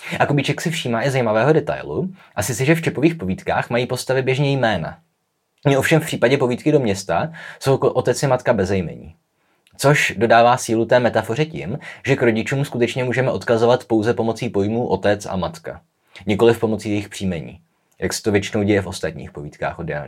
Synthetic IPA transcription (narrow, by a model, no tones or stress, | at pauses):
ʔakobit͡ʃɛksɪfʃiːmaːʔɪzajimavɛːɦo̞dɛt̪a̰jlṵʔasɪt͡sɛʒɛft͡ʃɛpoviːxpo̞viːt̪ka̰ːxmajiːpo̞st̪avɪbjɛʒɲɛjmɛːna̰ | mɪo̞fʃɛmfpr̥iːpaɟɛpoviːt̪kɪdo̞mɲɛst̪aso̞wʔo̞t̪ɛt͡sɪmat̪kabɛzɛjmɛ̰ɲḭː | t͡so̞ʃdo̞daːvaːsiːlut̪ɛːmɛt̪afo̞rɛcɪmʒɛkɾo̞ɟɪt͡ʃuːmskut̪ɛt͡ʃɲɛmuːʒɛmɛʔo̞t̪kazovat̪po̞wzɛpo̞mo̞t͡siːpo̞jmuːʔo̞t̪ɛt͡sa̰mat̪ka̰ | ɲɪko̞lɪfpo̞mo̞t͡siːjɛjɪxpr̥iːmɛɲḭː | jaksɛ̥t̪ovjɛt͡ʃɪno̞wɟɛjɛfost̪at̪ɲḭːxpoviːt̪ka̰ːxʔodɛa̰